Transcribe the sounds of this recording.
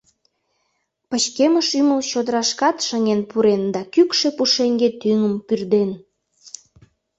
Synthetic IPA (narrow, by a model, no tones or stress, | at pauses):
pət͡ɕkeməʃyməlt͡ɕod̪əɾɑʃkɑt̪ʃəŋenpuɾend̪ɑkykʃepuʃeŋɡet̪yŋəmpyrd̪en